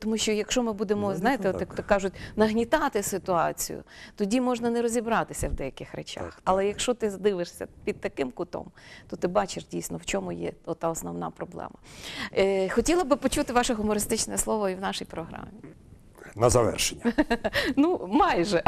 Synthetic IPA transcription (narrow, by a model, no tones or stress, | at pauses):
t̪ɔmuʃt͡ʃɔjɐkʃɔmɪbud̪emɔznɑjɪt̪ɛɔt̪jɐkt̪ɔkːɑʒʊtʲnɐɦnʲit̪ɑt̪ɪsɪt̪ʊɑt͡sʲḭjʊ̰t̪ɔdʲimɔʒnɐnɛɾɔzʲibɾɑt̪ɪsʲɐwd̪ɛjɐkɪxɾet͡ʃa̰xɐlˠɛjɐkʃɔt̪ɪzd̪ɪʋɪʂsʲɐ̰pʲid̪̚t̪ɐkɪmkʊt̪ɔ̰mt̪ɔt̪ɪbɑt͡ʃɪʐdʲijsʲnɔwt͡ʃɔmʊjɛ̰ɔt̪ːɑɔsnɔwn̪ɑ̰pɾɔblˠɛ̰mɐ | xɔtʲilˠɐbɪpɔt͡ʃut̪ɪʋɑʃɛɦʊmɔɾɪst̪ɪt͡ʃnɛɛslˠɔʋɔiwnɑʃijpɾɔɦɾɑ̰mʲi | nɐzɐʋɛ̰rʃenʲː | numɑjʒɛ